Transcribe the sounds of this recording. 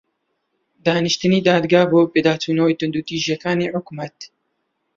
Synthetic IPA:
d̪aːnɨʃt̪ɨniːd̪aːd̪ɡaːhboːpeːd̪aːt̪ʰuːnɐwiːt̪ɨnd̪uːt̪iːʒijɛkaːneːʕʊkmɐt̪

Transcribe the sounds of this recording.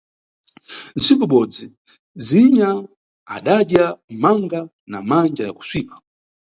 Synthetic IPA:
n̩sikɔɓɔd͡zi | d͡ziɲa | a̰ɗaɗjamaŋɡa | namand͡ʒajaku̥swiːpḁ

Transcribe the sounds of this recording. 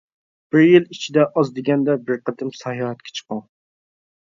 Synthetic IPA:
b̥ɪɾjilit͡ʃʰid̪ɛʔɑzd̪ɪɡʲɛnd̪ɛbɪɾqʰət̪ɨmsɑjɑɦɛt̪̚kʲʰɛ̥t͡ʃʰə̥qɑŋ

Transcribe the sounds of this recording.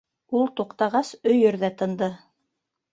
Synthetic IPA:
ulˠt̪uqt̪ɑʁɑsɵ̆jɵ̆ɾðæt̪ɤ̆nd̪ɤ

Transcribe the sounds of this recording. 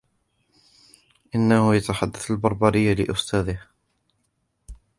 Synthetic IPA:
ʔɪnːahʊjat̪aħad̪ːaθalbɑɾˤbɑɾɪjːalɪ̰ʔʊst̪ʰaːðɪh

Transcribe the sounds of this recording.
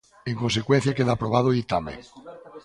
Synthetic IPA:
ẽŋkonsekwẽn̟θjakeðapɾoβ̞að̞oit̪amḛ

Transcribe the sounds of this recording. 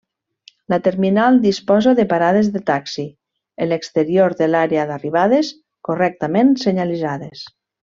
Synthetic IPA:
lat̪eɾminalˠd̪ispɔzaðepaɾað̞ezðet̪aksi | elekst̪eɾioɾðelaɾeaðariβ̞aðes | korɛk̚t̪amẽnseɲalizaðes

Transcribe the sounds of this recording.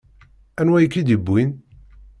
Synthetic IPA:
ænwæjkːid̪ibːin

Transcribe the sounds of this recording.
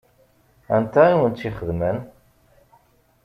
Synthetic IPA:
æ̰nt̪æiwənt̪ːiχəðmən

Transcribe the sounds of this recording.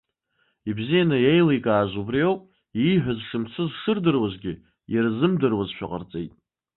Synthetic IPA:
ibzijanajejlejkʼaːʒʷubrijowpʼ | iħʷᶣazʂɨmt͡sʰɨzʂɨrdɨrwaʒʷɡʲɪ | jarzɨmdɨrwazʃᶣa̰qʼa̰rt͡sʼejtʼ

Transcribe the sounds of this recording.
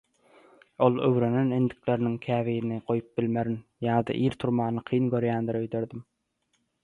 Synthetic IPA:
olˠø̰wɾenenɪnd̪ɪkʲleɾɪnɪŋkʲʰæːviːnɪqʰojup̚b̥ɪlmeɾɪnjɑːd̪ɑ̰ʔiːɾt̪ʰuɾmɑːnɨqʰijŋɡʲøɾjæːnd̪ɪɾøjd̪øɾd̪ɪm

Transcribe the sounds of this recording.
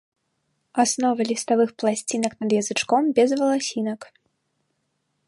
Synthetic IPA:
asnɔvɐlʲist̪avɨxplˠasʲt͡sʲinɐknɐd̪jɐzɨt͡ʂkɔmbʲɛzvɐlˠasʲinɐk

